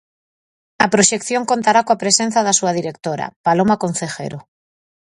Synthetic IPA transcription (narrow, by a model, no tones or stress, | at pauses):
apɾoʃekθjoŋkont̪aɾakoapɾesen̟θaðasuaðiɾek̚t̪oɾa̰palomakonθexḛɾo